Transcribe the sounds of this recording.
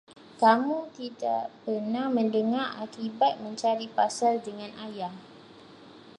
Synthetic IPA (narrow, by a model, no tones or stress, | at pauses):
kamũk̪idaʔpərnahmə̃ndəŋarakibat̪̚mə̃ɲt͡ʃaɾipasaldəŋãnʔajah